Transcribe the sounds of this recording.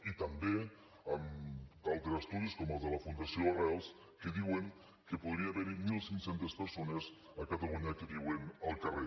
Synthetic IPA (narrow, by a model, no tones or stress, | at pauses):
it̪əmbe | əmt̪alˠt̪ɾəst̪uðiskɔməlˠzðələfund̪asioarɛlˠs | kəðiweŋ | kəpuðɾiaaβɛɾimilˠsiŋksent̪espəɾsonez | əkət̪əluɲakəðiwenəlˠkəre